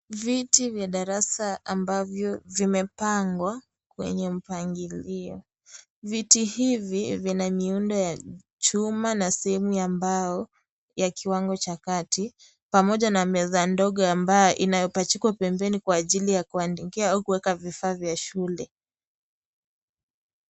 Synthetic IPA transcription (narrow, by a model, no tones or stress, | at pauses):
vitivjaɗaɾasaambavjɔvimɛpaŋɡwa | kwɛ̰ɲɛm̩paŋɡiliɔ | vitihivivinamiundɔja | t͡ʃumanasɛhɛmujambajɔ | jakiwaŋɡɔt͡ʃakati | pamɔʄanamɛðandɔɠɔambajɔʔinajɔpat͡ʃikwapɛmbɛnikwaːʄilijakuandikiaaukuwɛkavifaːvjaʃulɛ